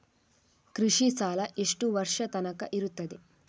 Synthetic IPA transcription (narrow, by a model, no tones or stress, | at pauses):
kɾiʂisaːlɐʔiʂʈuʋɐɾʂɐt̪ɐnɐkɐʔiɾut̪ːɐd̪i